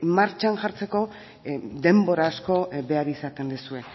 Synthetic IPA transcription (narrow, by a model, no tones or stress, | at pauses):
maɾt͡ʃanʝaɾt͡se̞ko̞ | d̪e̞mbo̞ɾasko̞βe̞aɾisat̪e̞nd̪usue̞